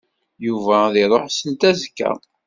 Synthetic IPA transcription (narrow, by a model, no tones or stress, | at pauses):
juvæðɪɾˤoħsənt̪æzəkːæ̰